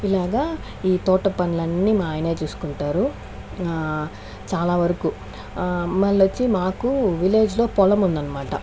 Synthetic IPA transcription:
ilaːɡaː | iːt̪ɔːʈɐpɐnulɐnːiːmaːjɐne̞ːt͡ʃuːsu̥kuɳʈaːɾu | t͡ʃaːlaːʋɐɾɐku | mɐlːɐt͡ʃːimaːkuʋile̞ːd͡ʒlo̞ːpɔlɐmund̪ɐnːɐmaːʈɐ̰

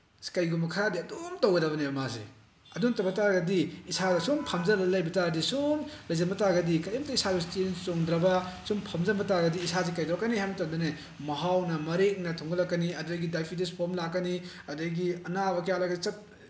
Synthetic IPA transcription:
kɐjɡumɐkʰadiɐdomtowɡɐdɐbɐnebɐmazḛ | ɐduŋtɐbɐtaɾɡɐdiːsadɐsumpʰɐmzɐlɐlɐjbɐtaɡɐdisumlɐjzɐmbɐtaɡɐdikɐjimɐtɐisaɡustent͡ʃoŋdɾɐbɐsumpʰɐmzɐmɐtaɡɐdiːsaz̬ekɐjdɾɔwkːanihajmɐtɐmdɐne | mɐɦawnɐmɐɾeŋnɐtʰoŋɡɐlɐkːɐniɐdɐjɡidajpʰidispʰoɾmlakːɐni | ɐdɐjɡiɐnabɐkɐjalaɡɐit͡ʃɐt̚

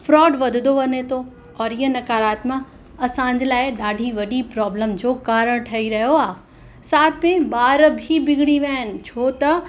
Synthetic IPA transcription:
fɾɔːɖʋɐd̪ʱɪd̪oʋɐnet̪ʰo | ɔːɾiɦənɐkaːɾaːt̪mã | ɐsãɲ̆d͡ʑlaːɪɗaːɖʱiʋɐɗipɾɔːbləmd͡ʑoːkaːɾəɽ̃ʈʰɐiɾɐɦijoaː | saːt̪̚ʰmẽɓaːɾbʱibɪɡɪɽiʋaːɪnɪ̆t͡ɕʰoːt̪ɐ

